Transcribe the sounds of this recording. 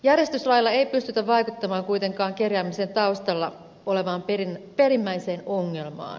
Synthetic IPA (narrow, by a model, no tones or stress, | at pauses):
jærjest̪yslɑjilːɑe̞ipyst̪yt̪æʋʋɑikut̪ːɑmɑːŋkuit̪e̞ŋkɑːŋkerjæːmisent̪ɑust̪ɑlːɑ̰ | ole̞ʋɑːmperinpe̞rimːæiseːnoŋːe̞lmɑ̰ːn